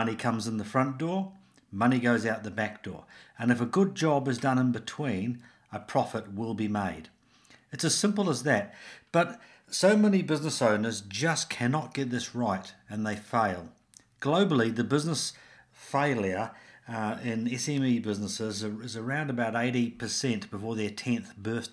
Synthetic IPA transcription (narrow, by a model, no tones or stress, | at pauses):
ʌnikʰʌ̃mzɨ̃nðəfɹʌ̃nd̥ɔɹ | mʌniɡoʊzaʊɾt̪̚ðɨbæk̚d̥ɔ̰ɹɨ̃nɨfəɡʊd̚d͡ʒɑbɨzdʌ̃nɨ̃nbɨtʰw̥ĩn | əpʰɹ̥ɑfɨt̚wɪlˠbimeɪd | ɨtsɨz̥sɪ̃mpl̩ˠəzðɨt̚b̥ʌt | soʊmɛnibɪznəsõʊ̃nə˞zd͡ʒʌskʰænɑt̚ɡ̥ɛt̪̚ðɪsɹaɪɾɨ̃nðeɪfeɪlˠ | ɡ̥loʊbl̩ˠiðɨbɪznəs | feɪlˠjə˞ | ɪ̃nɛsɛ̃mibɪznəsɪzɪzə˞ãʊ̃ndəbaʊɾeɪɾipʰə˞sɛ̃nb̥əfɔɹðə˞tʰɛ̃nθb̥ɜ˞θ